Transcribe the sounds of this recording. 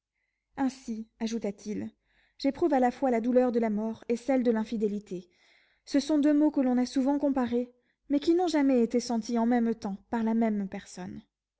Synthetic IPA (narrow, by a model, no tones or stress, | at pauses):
ɛ̃siaʒut̪at̪ʰil | ʒ̥epχuvalafwalad̪ulœʁd̪əlamɔʁesɛld̪əlɛ̃fid̪elit̪ʰe | səsɔ̃d̪ømokəlɔ̃nasuvɑ̃kɔ̃paʁe | mɛkʲinɔ̃ʒamɛet̪esɑ̃t̪iɑ̃mɛmt̪ɑ̃paʁlamɛmpɛʁsɔn